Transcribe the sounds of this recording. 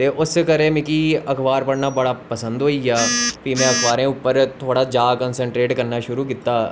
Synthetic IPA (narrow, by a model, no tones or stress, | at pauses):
eʔʊskɐɾẽmɪ̃kiɐkʰʋaːɾpɐɽnabɐɽapɐsə̃nd̪ɦoːijaːpimẽɐkʰʋaːɾẽupːəɾt̪ʰoːɽad͡ʒaːkə̃nsə̃ɳʈɾeːʈkɐɾnaʃʊɾuk̬ɪt̪ːaː